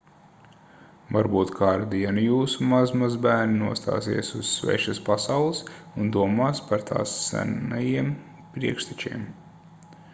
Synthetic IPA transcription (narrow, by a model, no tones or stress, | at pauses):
vaɾbuːt̪kʰaːɾad̪iɛnujuːsumazmazbæːɾninuɔst̪a̰ːsiɛsuz̥svʲɛ̰ːʃaspasawlˠɨsund̪uɔmaːspaɾt̪ʰa̰ːsːæ̰najiɛm | pɾiɛkʃt̪ɛt͡ʃḭɛm